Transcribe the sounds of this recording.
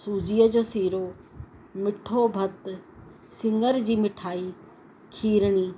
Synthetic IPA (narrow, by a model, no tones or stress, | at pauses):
suːd͡ʑiːəd͡ʑoːsiːɾo | mɪʈʰobʱɐt̪ | sɪ̃ŋɡəɾd͡ʑiːmɪʈʰaːi | kʰiːɾɽ̃iː